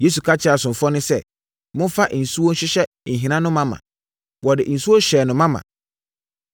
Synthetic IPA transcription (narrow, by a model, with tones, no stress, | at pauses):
je˦s̬u˨kʰa˦t͡ɕʰɪ˦a˨sʊ̃˨m˨fɔ˦nʊ̃˦sɛ̰˦ | mʊ̃˦fa˦ʔn̩˨su˦wo˦ɕɪ˦ɕɛ˦ | n̩˨ɦĩ˨nã˦nʊ̃˦mã˦mã̰˨ | wɔ˨dɪ̰˨n̩˨su˦wo˦ɕɛː˨nʊ̃˨mã˦mã̰˨